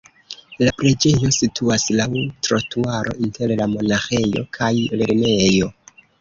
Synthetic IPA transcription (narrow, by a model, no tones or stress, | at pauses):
lapɾid͡ʒe̞jo̞sitʰuaslawutɾotuaɾʔo̞̰ʔintʰe̞ɾlamo̞naxe̞jo̞̰kʰajleɾme̞jo̞